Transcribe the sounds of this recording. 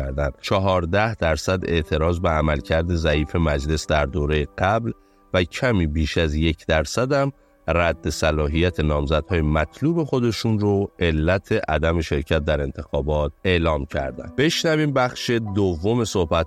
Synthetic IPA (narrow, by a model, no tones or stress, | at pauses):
æɾd̪ænt͡ʃʰɒɦɒːɾd̪æhd̪æɾsæd̪e̞̰ʔt̪ʰe̞ɾɒːzbeæmælcʰæɾd̪e̞zæiːfe̞mæd͡ʒle̞sd̪æɾd̪oːɾe̞jeɡæbl | væcʰæmiːbiːʃæzje̞cʰd̪æɾsæd̪æm | ræd̪ːe̞sælɒːɦijæt̪ʰe̞nɒːmzæd̪̥hɒːjemæt̪ʰluːbe̞xo̞d̪e̞ʃunɾoʔe̞lːæt̪ʰe̞ʔæd̪æme̞ʃe̞ɾcʰæt̪̚d̪æɾe̞nt̪ʰe̞xɒːbɒːt̪̚e̞ːlɒːmcʰæ̰ɾd̪æ̰nb̥e̞ʃnæviːmbæxʃe̞d̪ovːo̞me̞so̞hbæt̪